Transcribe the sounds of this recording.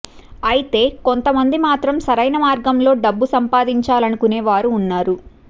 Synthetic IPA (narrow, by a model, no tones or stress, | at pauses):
ɐjit̪e̞ːko̞nt̪ɐmɐnd̪imaːt̪ɾɐmsɐɾɐjnɐmaːɾɡɐmlo̞ːɖɐbːusɐmpaːd̪iɲt͡ʃaːlɐnukuneːʋaːɾuːnːaːɾu